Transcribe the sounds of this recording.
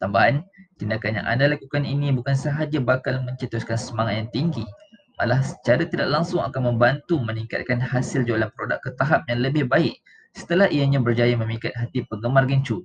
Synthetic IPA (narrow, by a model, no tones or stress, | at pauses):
t̪ambaɦant̪indakanja̰ŋʔa̰ndalakukaninibukansəɦad͡ʒabakalmə̃ɲt͡ʃət̪uskansəmaŋat̪̚jaŋt̪iŋɡi | malahsə̥t͡ʃaɾat̪idaʔ̚laŋsʊŋa̰kanmə̃mbant̪uməniŋka̰t̪̚kanhasɪld͡ʒualanpəɾoda̰kːət̪aɦap̚jaŋləbɪhbaɪk̚ | sə̥t̪əlaɦʔijaɲãbərd͡ʒajamə̃mĩkat̪̚ɦat̪ipəŋɡəmarɡəɲt͡ʃu